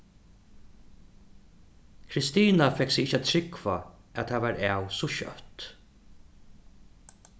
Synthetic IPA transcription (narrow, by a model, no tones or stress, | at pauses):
kʰɾɪst̪iːnafɛksɪɪht͡ʃːæt̪ʰɾɪkva̰ | æ̰t̪haʋaɾæːwsɔʃœ̰ht̪